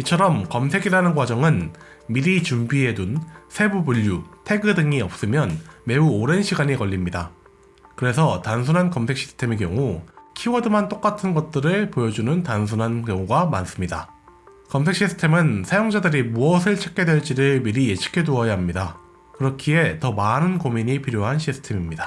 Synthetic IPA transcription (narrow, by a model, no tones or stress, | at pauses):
it͡ɕʰʌɾʌmkʌmsʰe̞ɡiɾanɯnɡwad͡ʑʌŋɯn | miɾit͡ɕumbie̞dunsʰe̞bubuʎːutʰe̞ɡɯdɯŋiʌp̚s͈ɯmjʌnme̞uoɾe̞nɕʰiɡaɲikʌʎːimɲida | kɯɾe̞sʰʌtans̬ʰunɦankʌmsʰek̚ɕ͈i̥sʰɯ̥tʰe̞me̞k̬jʌŋukʰiwʌdɯmɦant͈ok͈atʰɯnɡʌt̚t͈ɯɾɯɭpojʌd͡ʑunɯntansʰunɦankjʌŋuɡamans͈ɯmɲida | kʌms̬ʰek̚ɕ͈isʰɯ̥tʰe̞mɯnsʰajoŋd͡ʑadɯɾimuʌsʰɯɭt͡ɕʰek̚k͈e̞dwe̞ɭt͡ɕ͈iɾɯɭmiɾije̞t͡ɕʰi̥kʰe̞doʌjaɦamɲida | kɯɾʌkʰie̞tʌmanɯnkomiɲipʰiɾjoɦanɕʰisʰɯ̥tʰe̞mimɲidḁ